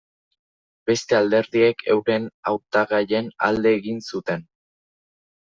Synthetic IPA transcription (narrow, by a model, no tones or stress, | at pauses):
be̞st̪e̞ald̪e̞ɾðie̞kʰe̞̰wɾe̞nawt̪aɣaʎe̞na̰ld̪e̞ːɣinsut̪e̞n